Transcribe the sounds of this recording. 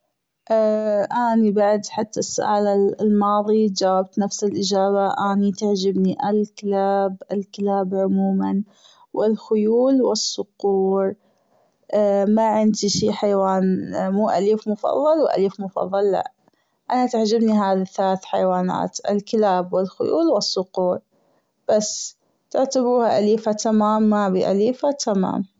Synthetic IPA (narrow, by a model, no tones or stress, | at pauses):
ʔʔaːnibaʕd̪ħat̪ːasːʊ̰ʔaːlɪlmɑːðˤid͡ʒaːwab̚t̪nafsɪlʔɪd͡ʒaːbaʔaːnit̪aʕd͡ʒabniʔɪlkɪlaːbʔɪlkɪlaːbʕʊmuːman | wɪlxʊjuːlwɪsːʊquːɾ | maʕɪnd̪iʃiːħajwaːnmuːʔaliːfmʊfɑ̰ðˤːɑlwʔa̰liːfmʊfɑ̰ðˤːɑlːa̰ʔ | ʔanat̪aʕd͡ʒɪbniɦaːðaθalaːθħajwaːna̰ːt̪ʔɪ̰lkɪlaːbwɪlxʊ̰jṵːlwɪsːʊquːɾ | b̥asː | t̪ɪʕt̪abuːhaʔaliːfat̪amaːmːabḭʔaliːfat̪ʰama̰ːm